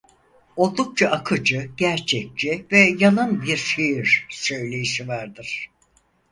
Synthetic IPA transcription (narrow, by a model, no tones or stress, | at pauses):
o̞lˠd̪uk̚t͡ʃʰaʔakʰɯd͡ʒɯɟ̥æɾt͡ʃʰɛk̚t͡ʃivɛjalˠanbiɾʃejiɾ̥sø̞jlʲe̞jiʃivaɾd̪ɯɾ̥